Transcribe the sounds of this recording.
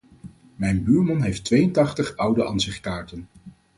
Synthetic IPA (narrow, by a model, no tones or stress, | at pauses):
mɛjnbyːɹmɑnɦejftʋejəntɑχtəχʌwdəʔɑnsɪχkaːɹtən